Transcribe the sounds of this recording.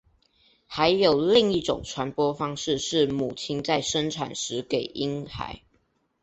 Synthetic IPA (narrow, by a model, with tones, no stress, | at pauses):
xa˨˦ɪjo˨˩ʊli˥˨ŋi˥˩ʈ͡ʂʊ̰˨˩ŋʈ͡ʂʰwa˧˥npwɔ˥fɑ˥ŋʂɻ̩˥˧ʂɻ̩˥˩mu˨˩t͡ɕʰi˥nt͡sa˥˩ɪʂə˥nʈ͡ʂʰa˨˩nʂɻ̩˧˥ke˨˩ɪʔi˥nxa̰˨˦ɪ